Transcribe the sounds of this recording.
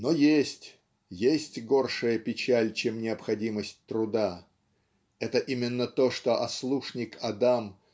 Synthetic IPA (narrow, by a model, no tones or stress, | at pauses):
no̞jesʲtʲ | jesʲtʲɡo̞rʂɨjəpʲɪt͡ɕælʲt͡ɕemnʲɪəpxɐdʲiməsʲtʲt̪ɾʊd̪a | ɛt̪əʔimʲɪnːət̪o̞ʂt̪o̞ʔɐslˠuʂnʲɪkʰɐd̪am